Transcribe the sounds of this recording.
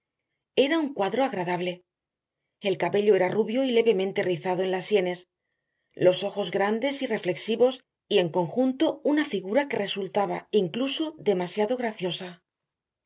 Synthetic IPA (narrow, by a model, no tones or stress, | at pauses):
e̞ɾauŋkwaðɾo̞aɣ̞ɾaðaβle̞ | e̞lkaβe̞ʎo̞e̞ɾaruβjo̞ile̞βe̞mẽ̞nt̪e̞riθaðo̞e̞nlasːje̞ne̞s | lo̞so̞xo̞zɣɾand̪e̞sire̞fle̞ksiβo̞s | ie̞ŋko̞ŋxunt̪o̞unafiɣuɾake̞re̞sult̪aβa̰iŋkluso̞ðe̞masjaðo̞ɣɾaθjo̞sa